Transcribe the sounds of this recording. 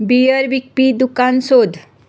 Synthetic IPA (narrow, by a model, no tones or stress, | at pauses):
bijəɾbik̚pid̪ukansod̪ʱ